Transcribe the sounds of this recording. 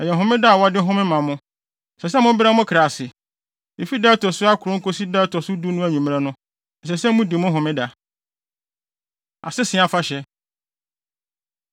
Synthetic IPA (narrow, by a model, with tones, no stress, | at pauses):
ɛ˨jɛ˨ɦʊ̃˦mɪ̃˦da˦a˨wɔ˦dɪ˦ɦʊ̃˦mɪ̃˦mã˨mʊ̃˦˨ | sɛ˨s̬ɛ˦mʊ̃˦bɾa˦mʊ̃˦kʰɾa˨sɪ˨ | e˨fi˦dɛː˦tʰɔ˨sʊ˦a˦kʰʊ˨ɾʊ̃˦ko˦si˦dɛ˦tʰɔ˨sʊ˦du˦nʊ̃˦æ˨ɲũ˨m̃˦ɛ̃˦nʊ̃˦˨ | sɛ˨sɛ˦mũ˦di˨mʊ̃˦ɦʊ̃˨mɪ̃˦da˨ | a̰˨sɪ˦sɪ̃˨˦a˨fa˦ɕɛ˨